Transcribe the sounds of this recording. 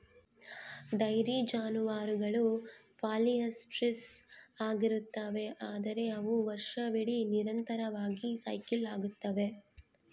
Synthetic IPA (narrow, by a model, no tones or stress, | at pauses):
ɖɐjɾid͡ʒaːnuʋaːɾuɡɐɭu | paːliɐsʈɾisaːɡiɾut̪ːɐʋe̞ʔaːd̪ɐɾe̞ɐʋuʋɐɾʂɐʋiɽiniɾɐnt̪ɐɾɐʋaːɡisɐjkilaːɡut̪ːɐʋe̞